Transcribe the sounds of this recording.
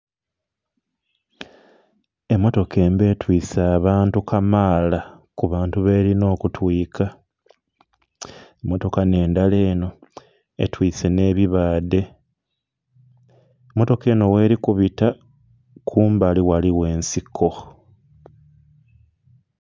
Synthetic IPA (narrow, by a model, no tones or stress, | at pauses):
e̞mːo̞to̞kʰe̞ːmbe̞ːtwiːsaːβaːntukamaːla | kuβaːntuβe̞ːɾino̞ːkutwiːkʰa | emːo̞to̞kane̞ːndale̞ːno̞ | ḛtwiːse̞ne̞ːβiβaːde̞ | emːo̞to̞ke̞ːno̞we̞ːɾikuβita | kʰuːmbaliwaliwe̞ːnsikʰo̞